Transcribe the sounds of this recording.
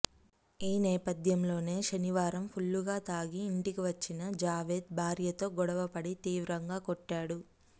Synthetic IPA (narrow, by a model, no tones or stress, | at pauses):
iːnɛːpɐd̪ʱjɐmlo̞ːne̞ːʃɐniʋaːɾɐmpʰuɭːuɡaːt̪aːɡiːɳʈikiʋɐt͡ʃːinɐd͡ʒaːʋeːd̪̚bʱaːɾjɐt̪o̞ːɡɔɽɐʋɐpɐɽit̪iːʋɾɐŋɡaːkɔʈːaːɽu